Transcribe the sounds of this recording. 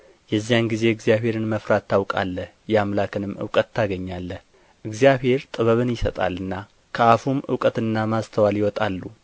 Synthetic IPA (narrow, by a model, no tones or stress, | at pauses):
jɛzːijanɡize̞ɨɡzijaβhe̞ɾɨnməfɾat̪ːawkʼa̰lːəh | jɛamlakʰɨnɨmːɨ̰wkʼət̪ʰːaɡəɲːalːəh | ʔʔɨɡzijaβhe̞ɾt̪ʼɨβəβɨnjɪsət̪ʼa̰lɨnːa | kʰəafumʔɨ̰wkʼət̪ɨnːamast̪ʰəwaljɪwɔt̪ʼalːu